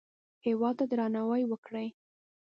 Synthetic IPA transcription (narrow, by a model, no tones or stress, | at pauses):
hewɑd̪̚t̪ad̪ɾɑnawəjwəkɽəj